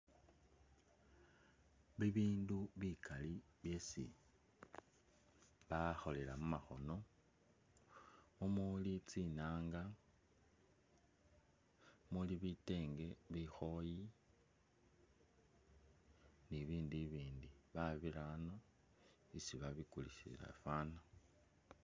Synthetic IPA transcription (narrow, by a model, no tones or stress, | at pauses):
βiβiːnduβikʰaliβje̞sḭ | βaxo̞le̞lamumaxo̞no̞ | mumulit͡sinaːŋɡa | muliβite̞ːŋɡe̞βixo̞ji | niβiːndiβiːndiβaβiɾano | isiβaβikulisila̰faːna